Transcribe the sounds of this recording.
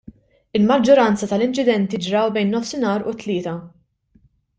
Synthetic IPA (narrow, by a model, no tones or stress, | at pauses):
ɪlmɐd͡ʒːɔɾɐnt͡sɐt̪ɐlɪnt͡ʃɪd̪ɛnt̪id͡ʒɾɐwbɛjnːɔfsɪnɐːɾʊt̪ːlɪːt̪ɐ